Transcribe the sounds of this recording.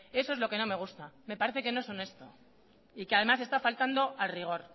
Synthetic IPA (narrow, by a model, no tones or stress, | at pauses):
e̞so̞ezlo̞keno̞me̞ɣ̞ust̪ame̞paɾe̞θe̞ke̞no̞eso̞ne̞st̪o̞̰ | ikeaðe̞masest̪afalt̪and̪o̞ʔalriɣ̞o̞ɾ